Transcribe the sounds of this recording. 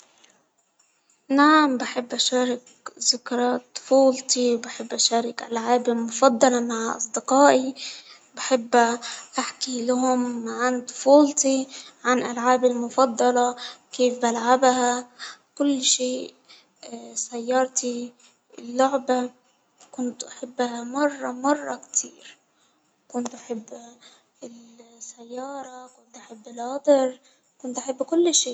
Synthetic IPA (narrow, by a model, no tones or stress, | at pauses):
naʕambaħɪbːʔaʃaːɾˤɪk | zɪkɾˤɑt̪ˤʊ̥fuːlt̪ˤiwbaħɪbːʔaʃaːɾˤɪkʔa̰lʕaːbɪlmʊfɑd̪ˤːɑlɑmaʕʔɑ̰sˤd̪ɪqɑːʔi | baħɪbːaʔaħkilaɦʊmːaʕant̪ʊ̥fuːlt̪iʕanʔalʕaːbɪlmʊfɑd̪ˤːɑlɑkeːfbalʕabɦakʊlːʃeːʔ | sajːɑɾˤt̪i | ɪlːʊʕba | kʊnt̪ʔaħɪbːhamɑrˤːɑmɑrˤːɑkt̪ʰiːɾ | kʊnt̪ʔaħɪbː | ɪlsajːɑːɾˤɑkʊnt̪ʔaħɪbːɪlɑd̪ˤɨɾ | kʊnt̪ʔaħɪbːkʊlːʃeː